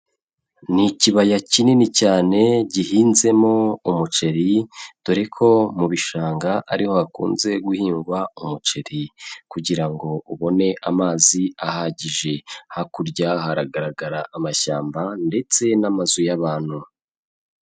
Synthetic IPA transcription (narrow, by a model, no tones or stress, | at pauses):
niciβajacininicaːne̞ɟiɦiːnze̞moumut͡ʃe̞ɾid̥uɾekʰo̞muβiʃaːŋɡaʔaɾiho̞hakṵːnze̞ɡuhiːŋɡwaumut͡ʃe̞ɾikuɟiɾaŋɡo̞uβo̞ne̞ʔamaːziahaɟiʒe̞hakuɾɟaɦaɾaɡaɾaɡaɾaʔːmaʃaːmbande̞t͡se̞namazujaβaːn̥hu